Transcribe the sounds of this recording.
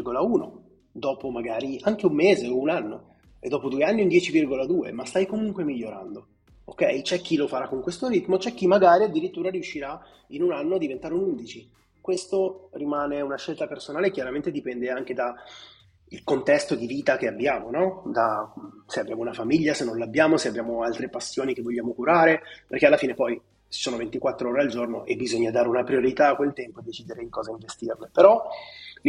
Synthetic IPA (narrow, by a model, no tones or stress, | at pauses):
ɡolauːno̰ | d̪ɔːpomaɡaːɾiʔaŋk̟eumːeːzeounanːo | ḛd̪ːɔːpod̪ueanːiund̪jɛːt͡ʃivirɡolad̪uːḛmast̪ajkomuŋkwemiʎːoɾa̰nd̪o | o̰kːɛjt͡ʃɛk̟ːilofaɾakːoŋkwest̪oɾit̪mot͡ʃɛk̟ːimːaɡaːɾiad̪ːiɾit̪ːuːɾaɾiuʃːiɾa | inunanːoad̪ːivent̪aːɾeunund̪it͡ʃi | kwest̪orimaːneunaʃːelt̪apersonaːlekjaɾament̪ed̪ipɛnd̪eaŋk̟ed̪a | ilkont̪ɛst̪od̪iviːt̪ak̟eabːjaːmonɔd̪aseabːjaːmounafamiʎːasenːõnlabːjaːmoseabːjaːmoalt̪ɾepasːjoːnik̟evːoʎːaːmokuɾaːɾeperk̟ealːafiːnepɔj | soːnovent̪ikwat̪ːɾooːɾeald͡ʒorno̰ʔebːizoɲːad̪aːɾeunapɾioɾit̪aːkːwelt̪ɛmpoed̪ːet͡ʃiːd̪eɾed̪ikɔːzaiɱvest̪irnepeɾɔ